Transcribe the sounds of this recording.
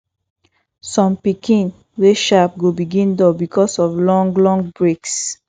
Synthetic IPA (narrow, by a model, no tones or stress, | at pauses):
sɔ̃mpikĩn | weʃap̚ɡobiɡĩndɔbikɔsɔvlɔ̃ŋɡlɔ̃ŋɡbɹeks